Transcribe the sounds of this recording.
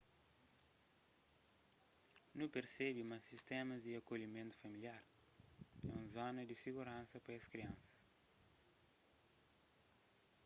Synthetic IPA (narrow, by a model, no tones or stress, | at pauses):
nũpeɾsɛbimɐsist̪ɛmɐziɐkoʎimẽnt̪u̥fɐmiljaɾ | ɛ̰ũzɔnɐd̪isiɡuɾãnsɐpɐɐskɾiɐ̃nsɐ̥s